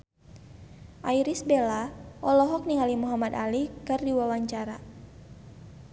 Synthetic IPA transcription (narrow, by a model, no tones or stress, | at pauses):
ʔaiɾisbelaʔɔlɔɦɔk̚niŋalimuɦamadalikɨrdiwawaɲt͡ʃaɾa